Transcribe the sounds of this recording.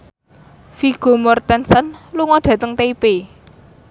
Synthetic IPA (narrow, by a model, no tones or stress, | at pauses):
fiɡ̥o̤mɔrt̪ɛnsənluŋɔd̪̥ä̤t̪əŋt̪eipe